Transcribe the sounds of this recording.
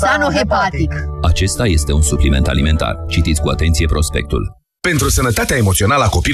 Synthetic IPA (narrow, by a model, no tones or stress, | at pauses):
sanoɦepat̪ikat͡ʃe̞st̪aje̞st̪e̞unsuplime̞̰nt̪a̰lime̞nt̪a̰rt͡ʃit̪it̪sʲkuat̪e̞nt̪sije̞pɾo̞spe̞̰k̚t̪ṵl | pe̞nt̪ɾusənət̪at̪eaemo̞t̪sio̞naləako̞pi